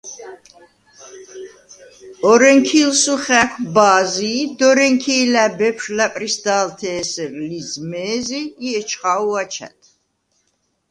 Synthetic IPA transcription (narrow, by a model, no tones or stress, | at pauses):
ɔɾɛŋkʰilsuχækʷʰbaːziːd̪ɔɾɛŋkʰiːlæbɛpʰʃlapʼɾisd̪aːlt̪ʰɛːsɛɾlizmɛːziːɛt͡ʃʰχawat͡ʃʰa̰t̪ʰ